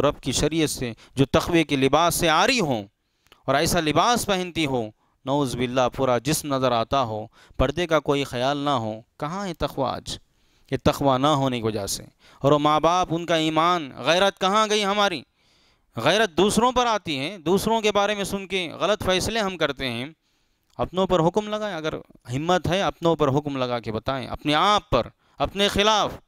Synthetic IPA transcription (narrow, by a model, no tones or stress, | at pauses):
ɾɐbkiʃɐɾijət̪se | d͡ʒoːt̪ɐxʋekilɪbaːsːeaːɾiɦõː | ɔːɾɛːsalɪbaːspɐɦɛ̃nt̪iɦoː | nɐuːzbɪlːapuːɾad͡ʒɪsmnɐzəɾaːt̪aɦoː | b̥ɐɽd̪ekakoːixɐjaːlnɐɦo̰ːkɐɦãɦɛt̪ɐxʋa̰a̰ːd͡ʒ | jet̪ɐxʋanɐɦoːnekiʋɐd͡ʒasḛ | ɔːɾomaːbaːpʊnkaiːmaːnɣɛːɾət̪̚kɐɦãɡɐiɦɐmaːɾḭː | ɣɛːɾət̪̚d̪uːsɾõpɐɾaːt̪iɦɛːd̪uːsɾõkebaːɾemẽsʊnkeɣɐlət̪fɛːsleɦɐmkɐɾt̪eɦɛ̃ː | ɐpnõpɐɾɦʊkmlɐɡaːẽɐɡəɾɦɪmːət̪ɦɛɐpnõp̬ɐɾɦʊkmlɐɡakebɐt̪aːḛ̃ʔɐ̰pneaːpːɐɾ | ɐpnexɪlaːf